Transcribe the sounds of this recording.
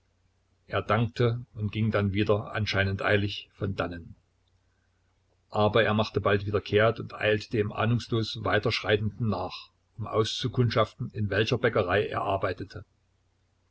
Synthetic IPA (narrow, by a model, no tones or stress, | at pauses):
ʔeːɐdaŋk̚tʰəʊntɡ̥ɪŋdanviːdɐʔa̰nʃaɪnəntʔa̰ɪlɪçfɔndanən | ʔaːbɐeːɐmaχtəbaltv̥iːdɐkʰeːɐtʊntʔa̰ɪltə̥d̥eːmʔa̰ːnʊŋsloːsvaɪtɐʃʁ̥aɪtn̩dn̩naːχ | ʔʊmʔa̰ʊst͡sukʰʊntʃaftn̩ɪnvɛlçɐbɛkəʁaɪʔḛːɐʔaɐbaɪtətʰə